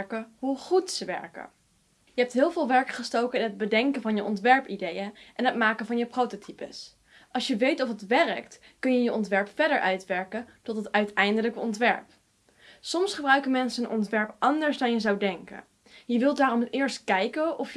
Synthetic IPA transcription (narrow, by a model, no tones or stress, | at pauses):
ɹkəɦuχutsəʋɛ̰ɹkə̰ | jəɦɛp̚tɦɪːlˠvɪːlˠʋɛɹkχəstowkənɪnɦəd̚bədɛŋkənvɑnjəʔɔntʋɛɹpidejənʔɛnɦətmaːkəvɑnjəprowtotʰipə̰s | ʔɑlˠʃjəʋejtɔfətʋɛrəkt | kɵnjəjəʔɔntʋɛɹpfɛdəɹʔœɥtʋɛɹkəntɔtətœɥtɛjndələkəɔntʋɛ̰ɹp | sɔmsχəbrœɥkəmɛnsəənʔɔ̰ntʋɛɹpʔɑndəɹzdɑnjəzɑwdɛŋkə̰ | jəʋɪlˠdaːrɔmɪːɹstkɛjkəɔf